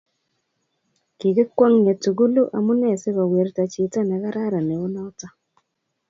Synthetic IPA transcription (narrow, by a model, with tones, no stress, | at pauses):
ki˨kɪ˦kwɔ˦ŋɲe˨tu˨ɡu˦lu˦ʔa˨mu˦nɛ˨se˦ka˨we˨ɾta˨t͡ʃɪ˨ta˦nɛ˨ka˦ɾa˦ɾa˨nɛ˨ʊ˦nɔ˦ta˦